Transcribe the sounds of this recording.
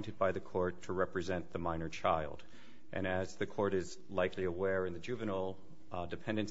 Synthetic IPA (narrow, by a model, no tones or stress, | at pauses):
ntɨd̚baɪðɨkʰɔɹtʰəɹɛpɹɨzɛ̃nðəmãɪ̃nə˞t͡ʃʰaɪlˠd | ʔɨ̰̃ñɨzðɨkʰɔɹɾɪz | laɪkliəwɛɹɨ̃nðɨd͡ʒʉvɨnl̩ˠ | dɨpʰɛ̃ndɨ̃ns